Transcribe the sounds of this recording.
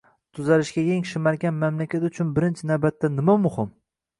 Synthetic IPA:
t̪ʰʊzaɾɪʃɡʲajʲeŋʃɪmaɾɡʲanmamlakʲat̪ʊt͡ʃʰʊnbɪɾɪnt͡ʃʰɪnawbat̪ːanɪmamʊhɪm

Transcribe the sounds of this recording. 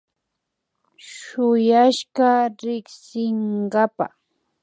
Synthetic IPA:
ʃʊjaʃɢaɾɪksɪŋɢapa̰

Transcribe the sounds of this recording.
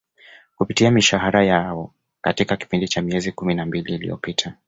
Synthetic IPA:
kupitiamiʃaɦaɾajaɔ | katikaki̥pindit͡ʃamiɛzikuminambiliːlḭjɔ̰pitʰa

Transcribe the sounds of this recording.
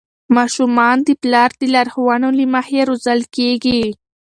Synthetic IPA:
mɑʃumɑnd̪iplɑːɾd̪ilaɾhwɑnolimahjeɾozalkeɡi

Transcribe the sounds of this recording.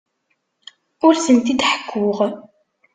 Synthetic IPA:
ʊɾsənt̪id̪ħə̥kʰːʊʁ

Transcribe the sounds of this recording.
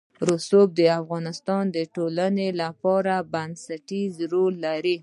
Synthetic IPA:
ɾosob̚d̪əafɣɑnɪst̪ɑnd̪əʈolanelapɑɾabansaʈizɾolːaɾi

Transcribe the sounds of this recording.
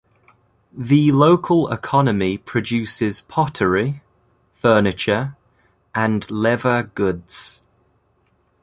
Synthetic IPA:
ðəloʊkʰəlɪ̰kʰɒnəmipʰɹ̥əd͡ʒʉˑsɪz̥pʰɒtʰəɹi | fɜːnɪt͡ʃəɹ | ʔə̃nlɛvəɡ̥ʊdz̥

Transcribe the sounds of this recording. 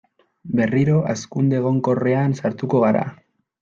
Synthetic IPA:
be̞riɾo̞ʔaskund̪eɣ̞o̞ŋko̞re̞ansaɾt̪uko̞ɣaɾa̰

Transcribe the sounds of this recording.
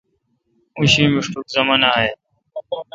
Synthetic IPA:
ʊ̃ɕĩːmɪʂʈukzəmənaːɦeː

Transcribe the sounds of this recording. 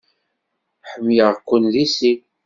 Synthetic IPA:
ħəmjəʁkʷːənðisik

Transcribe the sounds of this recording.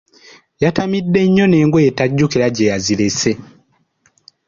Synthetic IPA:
jatamidːe̞ɲːo̞ne̞ːŋɡwojetaɟːukiɾaɟejazilese̞

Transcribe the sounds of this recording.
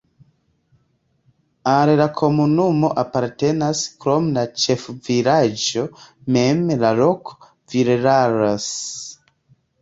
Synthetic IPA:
aɾelakʰo̞munumo̞ʔapaɾte̞naskɾomlat͡ʃefviɾad͡ʒomemlaloko̥ | viɾeɾaɾas

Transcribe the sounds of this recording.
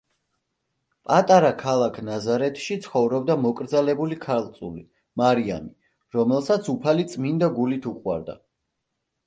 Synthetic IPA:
pʼat̪ʼaɾakʰalˠakʰnazaɾɛt̪ʰʃit̪sʰχɔvɾɔbd̪amɔkʼɾd̪zalɛbulikʰaɾlˠt̪sʼuli | maɾia̰ni | ɾɔmɛlˠsat̪sʰupʰalit̪sʼmind̪aɡulit̪ʰuqʼwa̰ɾd̪a̰

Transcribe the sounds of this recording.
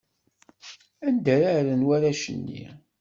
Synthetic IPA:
ænd̪æɾaɾənwæɾæʃə̰nːḭ

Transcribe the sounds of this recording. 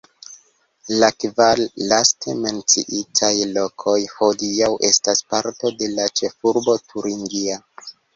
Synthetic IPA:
lakvalːastʰe̞me̞nt͡sḭʔitʰajlo̞kʰo̞jho̞diawʔe̞̰staspaɾto̞de̞lat͡ʃe̞fuɾbo̞tʰuɾiŋɡia

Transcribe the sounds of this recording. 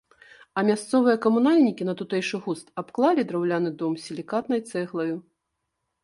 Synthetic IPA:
ɐmʲast̪sɔvɨjɛkɐmunalʲnʲikʲin̪ɐt̪ut̪ɛjʂɨɣust̪apklˠalʲid̪ɾawlʲanɨd̪ɔmsʲilʲikat̪nɐjt̪sɛɣlˠɐju

